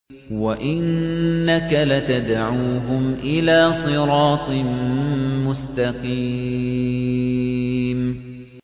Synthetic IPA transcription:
waʔɪnːakalat̪ad̪ʕuːɦʊmʔɪlaːsˤɨɾˤɑːt̪ˤ | mʊst̪ɑqiː | m

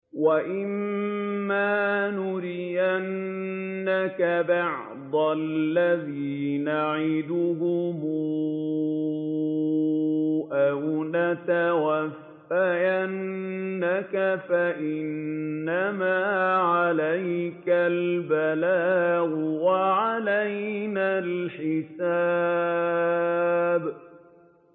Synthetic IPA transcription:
waʔɪmː | aːnʊɾɪʔanː | akabɑʕ | d̪ˤalːaðiːnaʕɪd̪ʊhʊmʊ | ʔawnat̪awafːajanːakafaʔɪnːamaːʕalajkalbalaːʔʊwaʕalajnaːlħɪsaː | b

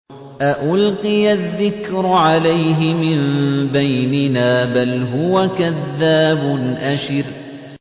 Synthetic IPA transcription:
ʔaʔʊlqɨjaðːɪkɾʊʕalajɦɪmɪnbajnɪnaːbalɦʊwakaðːaːbʊnʔaʃɪɾ

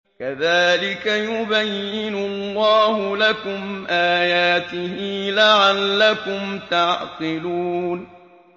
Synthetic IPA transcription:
kaðaːlɪkajʊbajːɪnʊlˤːɑːhʊlakʊmʔaːjaːt̪ɪɦiːlaʕalːakʊmt̪ɑʕt̪ˤɨluːn

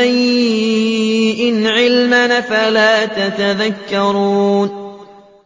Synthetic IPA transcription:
aj | ʔɪnʕɪlmanfalaːt̪at̪aðakːɑɾˤuːn

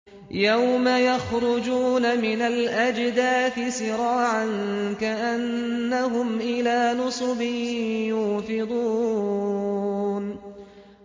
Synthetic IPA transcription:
jawmajaxɾʊd͡ʒuːnamɪnalʔad͡ʒd̪aːθɪsɪɾˤɑːʕankaʔanː | aɦʊmʔɪlaːnʊsˤʊbɪjʊːfɪd̪ˤuː | n

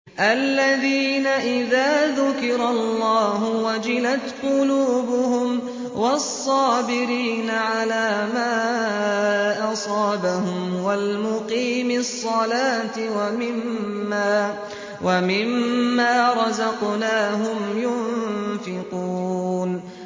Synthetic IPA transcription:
ʔalːaðiːnaʔɪðaːðʊkɪɾalˤːɑːɦʊwad͡ʒɪlat̪qʊluːbʊhʊm | wɑsˤːɑːbɪɾiːnaʕalaːmaː | ʔɑsˤɑːbahʊmwalmʊqiːmɪsˤːɑlaːt̪ɪwamɪmːaː | wamɪmːaːɾˤɑzɑqnaːɦʊmjʊnfɪquːn

